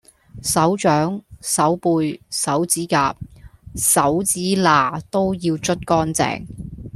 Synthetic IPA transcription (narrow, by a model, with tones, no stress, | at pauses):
sɐ˨˥wt͡ʃœː˨˥ŋsɐ˨˥wpuː˧jsɐ˨˥wt͡siː˨˥ka̰ː˧p̚sɐ˨˥wt͡siː˨˥laː˨˩t̪o˥wjiː˧wt͡ʃɵ˥t̚kɔː˥nt͡sɛ̰ː˨ŋ